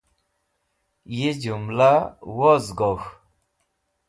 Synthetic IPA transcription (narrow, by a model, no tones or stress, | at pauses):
jed͡ʑumlawɔzɡɔx